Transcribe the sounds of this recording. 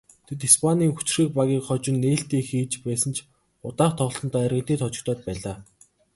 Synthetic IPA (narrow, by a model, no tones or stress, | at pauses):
t̪ʰet̪̬ispʰaniːŋxut͡ɕ̆riːk̚paɣʲiːkχɔt͡ɕɪ̆nːeːɬt̪iːŋxiːt͡ɕpæːsə̆nt͡ɕʰ | ʊt̪aːχt̪ʰɔχɞ̆ɮɞ̆nt̪ɔærɣʲɪ̆nt̪iːt̪ʰɔt͡ɕɪ̆kt̪ʰɔːt̪̚pæːɮaː